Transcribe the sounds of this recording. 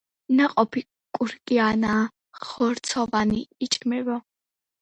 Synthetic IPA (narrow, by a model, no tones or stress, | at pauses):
naqʼɔpʰi | kʼuɾkʼianaː | χɔɾt̪sʰɔvaniːt͡ʃʼɡmɛvɔ